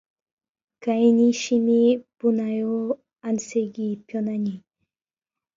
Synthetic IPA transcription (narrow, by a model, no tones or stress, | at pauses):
kajniʃɪmipʊnajo | anseɡipjonaɲi